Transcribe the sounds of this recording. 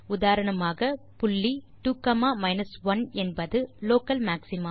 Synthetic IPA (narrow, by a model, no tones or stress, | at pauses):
ʊðaːɾɐɳɐmaːɣɐ | pʊɭːi | ʈuːkɐmaːmɐɪnɐsʋɐnɛnbɐðɯloːkɐlmaːksɪmɐm